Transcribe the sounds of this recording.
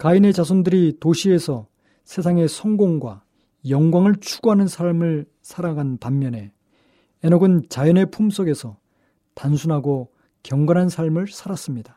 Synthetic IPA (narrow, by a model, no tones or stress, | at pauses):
kaine̞t͡ɕasʰondɯɾitoɕʰie̞sʰʌ | sʰe̞s̬ʰaŋe̞sʰʌŋɡoŋɡwa̰ | jʌŋɡwaŋɯɭt͡ɕʰuɡoɦanɯnsʰaɭmɯɭ | sʰaɾaɡanpamːjʌne̞ | enoɡɯnt͡ɕajʌne̞pʰums͈ʰoɡe̞sʰʌ | tansʰunɦaɡo | kjʌŋɡanɦansʰaɭmɯɭsʰaɾas͈ɯmɲidḁ